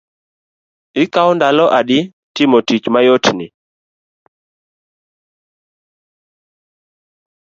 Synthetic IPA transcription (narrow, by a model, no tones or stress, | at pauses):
ɪkawndalɔʔadɪ | tɪmotit͡ʃmajotnɪ